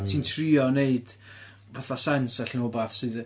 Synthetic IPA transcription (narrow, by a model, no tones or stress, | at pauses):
tʰiːntʰriɔneɨd̥ | vaθasɛnsɛɬnʊbaθsɨð